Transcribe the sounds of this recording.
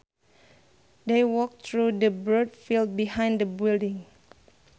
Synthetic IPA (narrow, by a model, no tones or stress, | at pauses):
dewɔk̚t̪ʰɹudəbɹodfild̚bihãj̃ndəbildɪ̃ŋ